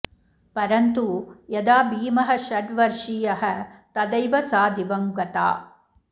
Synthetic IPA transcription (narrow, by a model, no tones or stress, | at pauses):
pɐɾɐnt̪ujɐd̪aːbiːmɐɦɐʃɐɖʋɐɾʂijɐɦɐt̪ɐd̪ɐjʋɐsaːd̪ʱibɐmɡɐt̪a̰ː